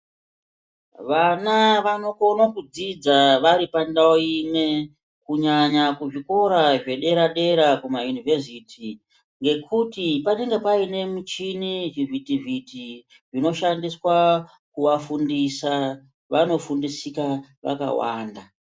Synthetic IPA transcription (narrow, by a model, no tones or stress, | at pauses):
ʋanaʋano̞ko̞nokud͡zid͡zaʋaɾipandaoime̞ | kuɲaɲakuʐiko̞ɾaʐe̞ɗe̞ɾaɗe̞ɾakumajunivesitʰi | ŋɡe̞kʰutipane̞ŋɡe̞paine̞mut͡ʃiniʐivitivʱiti | ʐino̞ʃandiswa | kuʋafundisa | ʋano̞fundisikaʋa̰ka̰wa̰ːnda